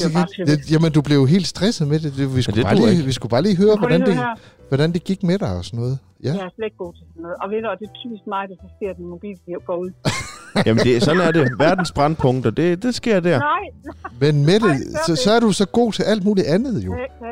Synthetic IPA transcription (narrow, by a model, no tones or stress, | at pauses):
ejæmənd̥ub̥le̝ʊjɦe̝̰ːld̥sd̥ʁɛsəð̩ˠmed̥e̝d̥eʋiskɡ̥ubɑ̈ːiʋisɡ̥ub̥ɑ̈ːliːɦøːɐʋɒdɾænd̥e | ʋɒɾ̥ænd̥e̝ɡ̥iɡ̥meɾ̥ɑ̈ɪɒ̽sɒnːɔ̽ːð̩ˠ | jæsle̥ɡ̥o̝̰ːt͡sʰesɔnːɔ̽ːð̩ˠɒʋenɒd̥et͡sʰysd̥mɑ̈ɪd̥æsɑsɡ̥e̝ɐ̰d̥enmo̝b̥ḭːliɐɡ̥ɒuð̰ˠjæməndessɒ̽n̩æɐdeʋæɐd̥n̩sb̥ʁɑ̈npʰɔ̽ŋd̥ɐd̥e̝d̥e̝sɡ̥e̝ɐ̰d̥æɐ̰ | menmeɾesɒ̽sɒ̽æɐɾ̥usɒ̽ɡ̥o̝̰ːt͡sʰe̝lʔæl̰d̥muːliʔænð̞̩ˠjo̝